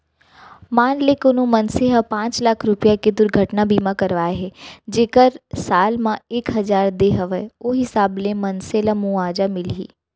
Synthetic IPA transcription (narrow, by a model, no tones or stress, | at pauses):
maːnlekʊnõmɐnseɦəpãːt͡ʃlaːkʰɾʊpijaked̪ʊɾɡʱəʈnabiːmãkɐɾʋaːeɦɛd͡ʒeːkəɾsaːlmãeːkɦɐzaːɾd̪eːɦəʋəoɦɪsaːblẽmɐnselamuaːd͡ʒamɪlɦḭː